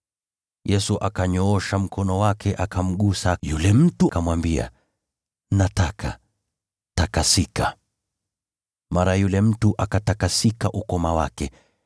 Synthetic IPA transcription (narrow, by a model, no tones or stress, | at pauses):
jɛsuʔakaɲɔɔʃam̩kʰɔnɔwakʰɛʔakʰam̩ɠusajulɛm̩tukamwambia̰ | natakʰa̰ | takasika | maɾajulɛm̩tuʔakatakasikaʔukɔmawa̰kɛ